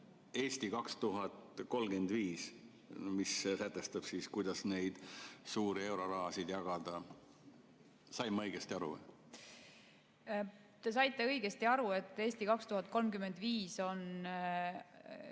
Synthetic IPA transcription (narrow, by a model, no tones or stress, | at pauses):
e̞ːsʲt̪ikɑkst̪uɦɑt̪ko̞lɡ̥e̞nd̪viːs | missæt̪ːˑest̪ɑb̥siːskujd̪̥ɑsne̞jd̪̥suːɾie̞wɾo̞ɾɑːsid̪̥jɑɡ̥ɑd̪̥ɑ | sɑjmːɤ̞jɡ̥est̪iɑɾṵ | t̪e̞s̬ɑjt̪ˑːe̞ɤjɡ̥est̪iɑɾue̞t̪ːˑeːsʲt̪ikɑkst̪uɦhɑt̪̚ˑko̞lmkyme̞nd̪viːso̞n